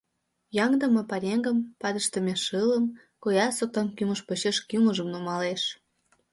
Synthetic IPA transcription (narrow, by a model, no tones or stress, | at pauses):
jɑŋd̪ə̆mɤ̆pɑɾʲeŋɡə̆mpɑd̪ə̆ʃt̪əmʲeʃɯlə̆m | kojɑsok̚t̪ɑmkymə̆ʃpoɕeʃkyməʒəmnumɑleʃ